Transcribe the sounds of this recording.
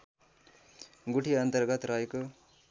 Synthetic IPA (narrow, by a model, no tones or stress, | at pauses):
ɡuʈʰiɐnt̪əɾɡət̪ɾajk